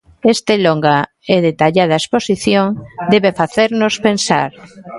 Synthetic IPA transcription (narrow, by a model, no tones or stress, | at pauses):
est̪eloŋɡa | eðet̪aʎað̞aesposiθjoŋd̪eβefaθeɾnospensa̰ɾ